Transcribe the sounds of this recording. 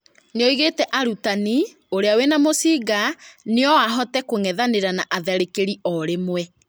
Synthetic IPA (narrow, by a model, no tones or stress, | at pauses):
neɔiɣetɛʔaɾutani | oɾeawenamosiːɡaneɔwaɦɔtɛkoŋɛðaneɾanaʔaðɛɾekeɾiʔɔɾemwɛ